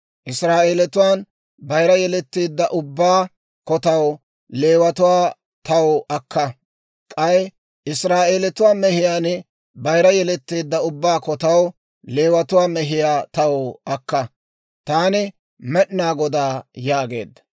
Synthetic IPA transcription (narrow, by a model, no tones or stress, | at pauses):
ʔɪsɾaːʔeːlɛt̪ʊwaːn | bɐjɾɐjɛlɛt̪ːiːd̪ːɐʔʊbːaː | kɔt̪ɐw | le̞ːwɐt̪ʊwaː | t̪ɐwɔʔɐkːɐ | kʼɐj | ɪsɾaːʔeːlɛt̪ʊwaːmɛhɪjaːn | bɐjɾɐjɛlɛt̪ːeːd̪ːɐʊbːaːkɔt̪ɐw | le̞ːwɐt̪ʊwaːmɛɦɪjaːt̪ɐwɐkːɐ | t̪aːnɪ | mɛɗnaːɡɔd̪aːjaːɡe̞ːd̪ːɐ̥